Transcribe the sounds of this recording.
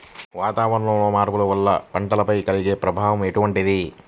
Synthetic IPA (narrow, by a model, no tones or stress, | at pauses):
ʋaːt̪aːʋɐɾɳɐmloːmaːɾpulɐʋɐlːɐ̰pɐɳʈɐlɐpɐjkɐliɡe̞ːpɾɐbʱaːʋɐmeʈuʋɐɳʈid̪i